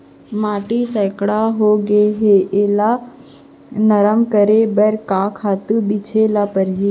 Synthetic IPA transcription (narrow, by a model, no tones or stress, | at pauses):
maːʈisɛːkɽaɦoɡeɦeʔeːla | nəɾəmkəɾebəɾkaːkʰaːt̪ubit͡ʃʰelapəɾɦi